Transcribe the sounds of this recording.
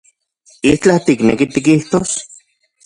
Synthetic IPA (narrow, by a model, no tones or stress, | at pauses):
iht͡ɬat̪iknḛkit̪ikiht̪os